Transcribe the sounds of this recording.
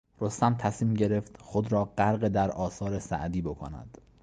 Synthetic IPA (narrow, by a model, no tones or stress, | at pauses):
ɾo̞st̪æmt̪ʰæsmiːmɟe̞ɾe̞ft̪xod̪ɾɒːɢæɾɢed̪æɾɒːsɒːɾe̞sæ̰ʔd̪iːbo̞kʰo̰næ̰d̪̥